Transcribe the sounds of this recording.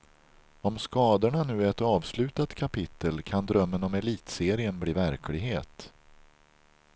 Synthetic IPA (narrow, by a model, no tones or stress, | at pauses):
ɔmskɑːd̪əɳanʉ̟ːæɾɛt̪ɑːvslʉ̟ːt̪at̪kʰapɪt̪ʰːəlkʰand̪ɾœmːənɔmɛliːt̪seːɾɪənbliːvæɾkʰlɪɡɦḛːt̪